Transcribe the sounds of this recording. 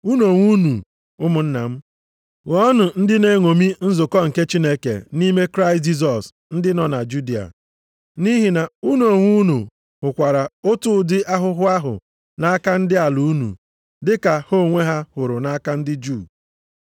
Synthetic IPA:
u˦no˨ŋʷu˦nu˨ | ʊ˦mʊ˨n̩˦na̰˨m̩˦ | ŋɔɔ˦nʊ˨n̩˦dɪ˦ne˦ŋo˨mi˦n̩˦zʊ˨kɔ˦ŋ̩˨ke˦t͡ʃi˦ne˦kḛ˨ni˦me˦kɾa˦ɪ˨st̚d͡ʒi˦s̬ɔ˨s | n̩˦dɪ˦nɔ˨na˨d͡ʒu˦di˨a̰˨ | ni˦ɦi˨na˨u˦n˦o˨ŋʷu˦nu˨ | hʊ˨kʷa˨ɾa˨o˦tʊ˦dɪ˦ʔa˦ɦʊ˦ɦʊ˦a˦ɦʊ̰˨ | na˦ka˦n̩˦dɪ˦a˨lu˨u˦nṵ˨ | dɪ˦ka˨ho˦˨ŋʷe˦ɦa˦hʊ˨ɾʊ˨na˦a˦ka˦n̩˦dɪ˦d͡ʒu˦˨

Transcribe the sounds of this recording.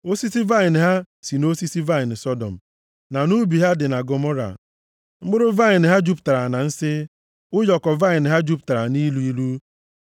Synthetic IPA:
o˦si˦si˦va˦ɪ˨n˨ɦa˦ | si˨no˦si˦si˦va˦ɪ˨n̩˨sɔ˦dɔ̰˨m̩˨ | na˨nu˦bi˨ɦa˦dɪ˨na˨ɡo˨mɔ˦ɾa̰˨ | ŋ͡m̩˦ɡ͡bʊ˦ɾʊ˦va˦ɪ˨n˨ɦa˦d͡ʒu˦pta˨ɾa˨na˨n̩˦sɪ˦ | ʊ˦jɔ˨kɔ˨va˦ɪ˨nɪ˨ɦa˦d͡ʒu˦p̚ta˨ɾa˨ni˦lu˦i˦lu˦

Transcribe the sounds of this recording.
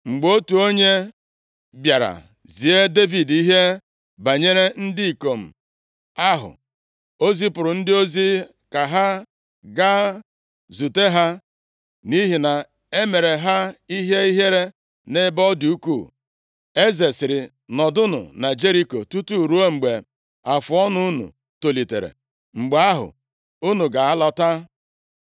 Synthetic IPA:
ŋ͡m̩˨ɡ͡bo˦tu˨o˦ɲe˦ | bja˨ɾa̰˨ | zi˨e˦de˦vi˨di˦ɦe˦ | ba˨ɲe˦ɾe˦n̩˦dɪ˦i˨ko˨m̩˨ | a˦ɦʊ̰˨ | o˦zi˦pʊ˨ɾʊ˨n̩˦dɪ˦o˦zi˦ | ka˨ɦa˦ | ɡa˦ | zu˨te˦ɦa˦ | ni˦ɦi˨na˨ | e˦me˨ɾe˨ɦa˦i˦ɦe˦i˦ɦe˦ɾe˦ | ne˦bɔ˦du˨u˦ku˦˨ | e˦ze˨sɪ˨ɾɪ˨ | nɔ˨dʊ˦nʊ̰˨na˨d͡ʒe˦ɾi˦ko˨tu˦tu˦˨ɾu˦o˦ŋ͡m̩˨ɡ͡be˨ | a˨fʊ˨ɔ˦nʊ˦u˦nṵ˨ | to˨li˨tḛ˨ɾḛ˨ | ŋ͡m̩˨ɡ͡ba˦ɦʊ̰˨ | u˦nu˨ɡa˨a˦lɔ˦ta˦

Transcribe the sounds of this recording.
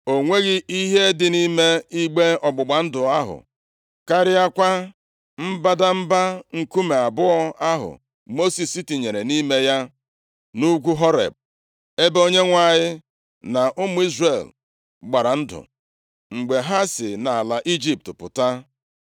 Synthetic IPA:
o˨ŋʷe˦ɣɪ˦ʔi˦ɦe˦dɪ˨ni˦me˦i˦ɡ͡be˦ɔ˨ɡ͡bʊ˨ɡ͡ba˨n̩˦dʊ˨a˦ɦʊ̰˨ | ka˦ɾɪ˦a˦kʷa˦ | m̩˦ba˦da˦m̩˦ba˦ŋ̩˨ku˦me˨a˨bʊ˦ɔ˦a˦ɦʊ̰˨ | mo˦si˨si˦ti˨ɲe˨ɾe˨ni˦me˦ja˦ | nu˦ɡʷu˦ɦɔ˦ɾḛ˨b̚ | e˦bo˦ɲe˦ŋʷa˦˨ɲɪ˦ | na˨ʔʊ˦mʊ˦i˦zre˨l | ɡ͡ba˨ɾa˨n̩˦dʊ̰˨ | ŋ͡m̩˨ɡ͡be˨ɦa˦sɪ̰˨na˨a˨la˨ʔi˦d͡ʒi˦p̚tpʊ̰˨ta˦

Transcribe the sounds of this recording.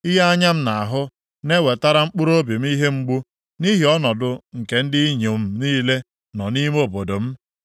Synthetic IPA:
ɪ˦ɦa˦a˦ɲa˦m̩˦na˨a˨ɦʊ˦ | ne˦we˨ta˦ɾa˦ŋ͡m̩˦k͡pu˦ɾo˦bi˨m̩˦i˦ɦe˦ŋ͡m̩˦ɡ͡bu˦ | ni˦ɦi˨ɔ˦nɔ˨dʊ˨ŋ̩˨ke˦n̩˦dɪ˦i˦ɲo˨m̩˦niː˦le˦ | nɔ˨ni˦m˦o˨bo˨do˨m̩˦

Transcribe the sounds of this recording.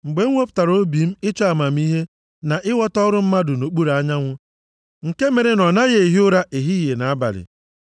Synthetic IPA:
ŋ͡m̩˨ɡ͡be˦ŋʷo˦pta˨ɾo˦bi˨m̩˦ɪ˦t͡ʃɔ˦a˨ma˨m̩˦i˦ɦe˦ | na˨ʔɪ˦wɔ˦tɔ˦ɾʊ˦m̩˦ma˦dʊ˨no˨k͡pu˦ɾa˨a˦ɲa˦ŋʷʊ˦ | ŋ̩˨ke˦me˨ɾe˨nɔ˨na˦ɣe˨ɦi˦ʊ˦ɾa˦ʔe˨ɦi˦je˨na˨a˦ba̰˨ɾɪ̰˨

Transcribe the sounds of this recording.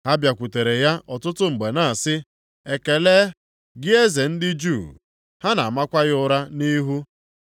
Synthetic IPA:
ha˦bja˨kʷu˨te˨ɾe˨ja˦ʔɔ˨tʊ˦tʊ˦ŋ͡m̩˨ɡ͡be˨na˦˨a˨sɪ˦ | e˨ke˨le˦ | ɡɪ˦e˦ze˨n̩˦dɪ˦d͡ʒu˦˨ | ha˦na˨ma˦kʷa˦ɣɪ˦ʊ˦ɾa˦ni˦ɦu˦

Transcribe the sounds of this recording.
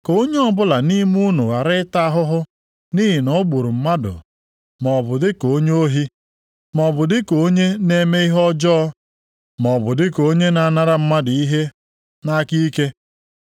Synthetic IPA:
ko˦ɲe˦ɔ˦bʊ˦la˨ni˦m˦u˦nu˨ɣa˨ɾɪ˦ta˦ɦʊ˦ɦʊ˦ | ni˦ɦɪ˨nɔ˦ɡ͡bu˨ɾu˨m̩˦ma˦dʊ̰˨ | mɔ˨bʊ˨dɪ˦ko˨˦ɲ˦o˦ɦi˦ | mɔ˨bʊ˨dɪ˦ko˨˦ɲe˦ne˦me˦i˦ɦɔ˦d͡ʒɔ˦ | mɔ˨bʊ˨dɪ˦ko˨˦ɲe˦na˨˦˨na˦ɾa˦m̩˦ma˦dɪ˨i˦ɦe˦ | na˦ki˦ke˦

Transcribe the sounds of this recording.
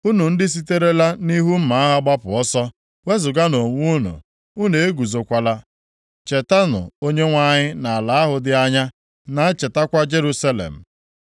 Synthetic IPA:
u˦nu˨n̩˦dɪ˦s̬i˦te˦ɾe˦la˦ni˦ɦu˦m̩˦ma˨˦a˦ɦa˦ɡ͡ba˦pʊ˨ɔ˦sɔ˦ | we˦zʊ˨ɡa˦no˨ŋʷu˦u˦nṵ˨ | u˦ne˨e˦ɡu˨zo˨kʷa˨la˦ | t͡ʃe˨ta˦nʊ̰˨o˦ɲe˦ŋʷa˦ɲɪ˦na˨a˨la˨a˦ɦʊ˨dɪ˦a˦ɲa˦ | na˨a˦t͡ʃe˨ta˦kʷa˦d͡ʒe˦ɾu˦sa˦lḛ˨m̩˨

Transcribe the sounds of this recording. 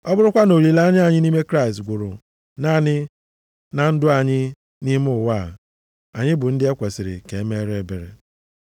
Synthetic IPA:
ɔ˦bʊ˦ɾʊ˦kʷa˦no˨ɾi˨la˦a˦ɲ˦a˨ɲɪ˦ni˦me˦kɾa˦˨stɡʷʊ˨ɾʊ˨ | na˦nɪ˦ | na˨n̩˦dʊ˦a˨ɲɪ˦ | ni˦m˦ʊ˦˨wa˦˨ | a˨ɲɪ˦bʊ˨n̩˦dɪ˦e˦kʷe˨sɪ˨ɾɪ̰˨ke˨e˦me˦ɾe˦be˨ɾḛ˨

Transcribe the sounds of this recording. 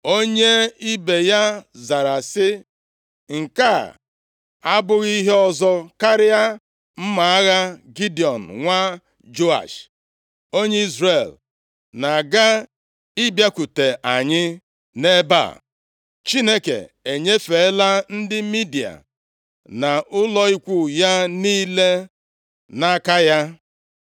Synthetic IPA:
o˦ɲe˦i˦be˨ja˦za˨ɾa˨sɪ˦ | ŋ̩˨ka˦˨ | a˦bʊ˦ɣi˦ɦe˦ɔ˦zɔ˦ka˦ɾɪ˦a˦ | m̩˦ma˨a˦ɣa˦ɡi˦di˨ɔ˨n̩˨ŋʷa˦ | d͡ʒo˦a̰˨ʃ | o˦ɲe˦i˦zɾe˨l | na˨ɡa˦ | i˦bja˦ku˨te˨ʔa˨ɲɪ˦ | ne˦ba̰˦˨ | t͡ʃi˦ne˦kḛ˨ | e˨ɲe˦fe˨˦la˦n̩˦dɪ˦mi˦di˨a̰˨ | na˨ʔʊ˦lɔ˦i˦kʷu˦ja˦niː˦le˦ | na˦ka˦ja˦

